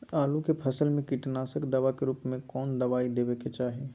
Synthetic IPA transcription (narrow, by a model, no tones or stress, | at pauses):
aːlukepʰəsəlmẽkiʈnaːsəkd̪ɐʋakeɾuːpmẽkɔːnd̪ɐʋaːid̪eːbeket͡ʃaːɦe